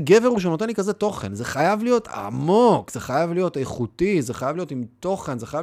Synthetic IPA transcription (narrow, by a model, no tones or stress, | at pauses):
ɡe̞veʁuʃenot̪e̞nlikazet̪o̞χe̞̰nze̞χajavlijo̞t̪a̰mo̞kz̥eχajavlijo̞teχut̪izeχajavlijo̞t̪imt̪o̞χe̞nzeχaja